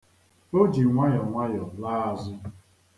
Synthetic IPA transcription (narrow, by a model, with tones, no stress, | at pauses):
o˦d͡ʒi˨ŋʷa˦jɔ˨ŋʷa˦jɔ˨laː˦a˨zʊ˦